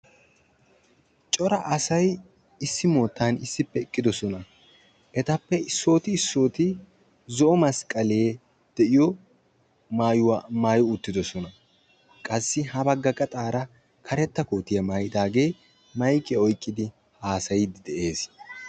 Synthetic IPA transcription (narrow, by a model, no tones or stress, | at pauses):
t͡ʃʼɔɾɐʔɐsɐj | ɪsːɪmo̞ːt̪ːaːnɪsːɪpːɛɪkʼːɪd̪ɔsɔnɐ | ʔɛt̪ɐpːɛɪsːo̞ːt̪ɪːsːo̞ːt̪ɪ | zɔʔɔmɐskʼɐleː | d̪̥ɛʔɪjɔ | maːjʊwaːmaːjʊʊt̪ːɪd̪ɔsɔnɐ | kʼɐsːɪhɐbɐɡːɐkʼɐt̪ʼaːɾɐ | kʰɐɾɛt̪ːɐko̞ːt̪ːɪjɐmaːjɪd̪aːɡe̞ː | mɐjkːɛɔjkʼːɪd̪ɪ | haːsɐjd̪ɪd̪ɛʔe̞ːs